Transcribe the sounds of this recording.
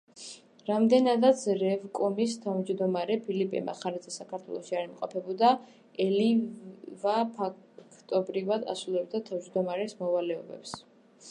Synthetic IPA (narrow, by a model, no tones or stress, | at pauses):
ɾamd̪ɛnad̪at̪sʰɾɛvkʼɔmist̪ʰavmd͡ʒd̪ɔmaɾɛpʰilipʼɛ̰ma̰χaɾɛzʰɛsakʰaɾt̪ʰwɛ̰lˠɔʃiaɾimqʼɔpʰɛbɔd̪a | ɛlivapʰakʰt̪ʼɔbɾivad̪a̰sulˠɛb̚d̪at̪ʰavd͡ʒd̪ɔmaɾɛsmɔvalɛɔbɛ̰ps